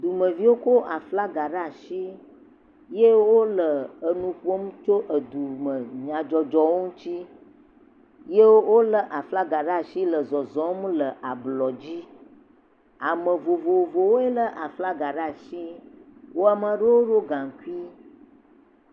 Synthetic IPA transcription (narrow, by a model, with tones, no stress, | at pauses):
d̪u˨mə̃˨vi˦wo˦ko˦ʔa˨fla˦ɡa˨ɖa˦˨ʃi˦ | je˦wo˦lə˨ə˨nũ˨ɸu˦o˦mũ˦t͡ʃo˦ʔə˨d̪u˨mə̃˨ɲã˨d͡ʒɔ˨d͡ʒɔ˦wo˦ŋũ˦t͡ɕi˦ | je˦wwo˦lə˦ʔa˨fla˦ɡa˨ɖa˦˨ʃi˦lə˨zɔ˨zɔ̃˨˦m˦lə˨ʔa˨blɔ˨d͡ʑi˦ | a˨mə̃˨vo˨vo˨vo˨wo˦e˦lə˦ʔa˨fla˦ɡa˨ɖa˦˨ʃi˦wo˦a˨mə˨ɖə˦wo˦ɖo˦ɡã˨ŋ˨ku˦i˦